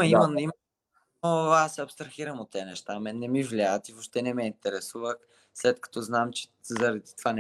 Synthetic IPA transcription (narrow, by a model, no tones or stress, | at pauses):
ɐimənim | noasɛɐpst̪ɾɐxiɾəmot̪ːɛnɛʃt̪amɛnːɛmivlʲaət̪ivoʃt̪ɛnɛmɛint̪ɛɾɛsuvəx | slɛt̪kɐ̥t̪ɔznamt͡ʃɛ̥ | zɐɾɐd̪i̥t̪ovan